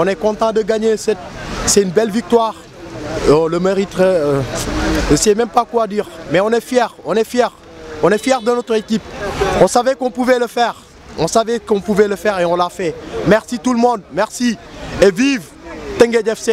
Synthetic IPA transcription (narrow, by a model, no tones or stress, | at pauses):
ɔ̃nɛkɔ̃t̪ɑ̃d̪əɡaɲesɛt̪sɛynbɛlvik̚t̪waʁ | oləmeʁit̪ʁɛ | ʒəsɛmɛ̃mpakwad̪iʁmɛɔ̃nɛfjɛʁɔ̃nɛfjɛʁ | ɔ̃nɛfjɛʁd̪ənɔt̪χekʲipɔ̃savɛkɔ̃puvɛləfɛʁ | ɔ̃savɛkɔ̃puvɛləfɛʁeɔ̃lafɛmɛʁsit̪uləmɔ̃d̪mɛʁsieviv | t̪ɛ̃ŋɡed̪ɛfse